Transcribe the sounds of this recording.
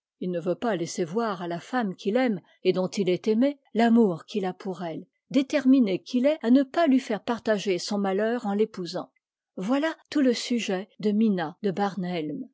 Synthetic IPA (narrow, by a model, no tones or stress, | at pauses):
ilnəvøpalɛsevwaʁalafamkʲilɛm | ed̪ɔ̃t̪ilɛt̪eme | lamuʁkʲilapʰuʁɛl | d̪et̪ɛʁminekʰʲilɛanəpalɥifɛʁpaʁt̪aʒesɔ̃malœːʁɑ̃lepuzɑ̰̃ | vwalat̪uləsyʒɛd̪əminad̪əbaʁnɛlm